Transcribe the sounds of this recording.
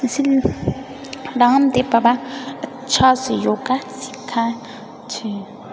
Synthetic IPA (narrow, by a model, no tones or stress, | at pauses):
si | laŋm̩d̪ebaba | t͡ʃʰasijokasi̥kʰa | t͡ʃʰi